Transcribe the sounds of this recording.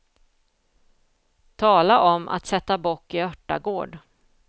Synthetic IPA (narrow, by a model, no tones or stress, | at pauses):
t̪ʰɑːlaʔɔmʔa̰t̪sɛt̪ːabɔʈːɪœʈːa̰ɡoːɖ